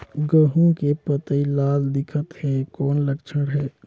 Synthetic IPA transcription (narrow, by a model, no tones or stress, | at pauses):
ɡəɦũkepət̪əilaːld̪ɪkʰət̪hɛkoːnləkt͡ʃʰəɽɦɛː